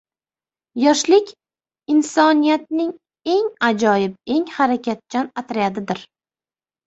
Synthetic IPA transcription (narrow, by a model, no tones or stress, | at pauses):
jɒʃlɪkʲ | ɪnsɒnijat̪̚nɪŋ | e̞ŋad͡ʒɒjɪbe̞ŋhaɾakʲʰat̪̚t͡ʃʰanat̪ʰɾajad̪ɪd̪ɪɾ